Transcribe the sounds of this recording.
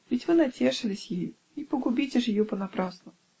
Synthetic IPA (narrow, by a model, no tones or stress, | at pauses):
vʲɪtʲvɨnɐtʲeʂɨlʲɪsʲjeju | ipəɡʊbʲitʲɪʐjɪjupənɐpɾasnə